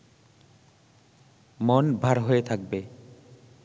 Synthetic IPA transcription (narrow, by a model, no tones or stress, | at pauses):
monbʱaɾɦoet̪ʰak̚be